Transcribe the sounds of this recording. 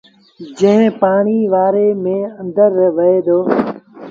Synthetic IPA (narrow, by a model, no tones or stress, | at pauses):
d͡ʒə̃ɦɪ̃paːɳiːʋaːɾeːmẽːə̃nd̪əɾʋəɦeːd̪oː